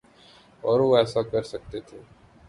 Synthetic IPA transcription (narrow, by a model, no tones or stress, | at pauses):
ɔːɾuɛːsakəɾsək̚t̪et̪ʰeː